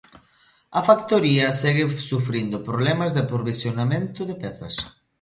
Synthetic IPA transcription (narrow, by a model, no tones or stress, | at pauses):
ɐfakt̪oɾiɐsɛɣɪsufɾind̪ʊpɾoβlɛmɐzðɪpɾoβisjonamẽnt̪ʊðepɛθɐ̰s